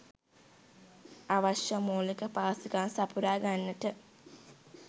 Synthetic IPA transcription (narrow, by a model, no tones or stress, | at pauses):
aʋaʃjəmoːlikəpaːsiɡaːnsapuɾaːɡanːətə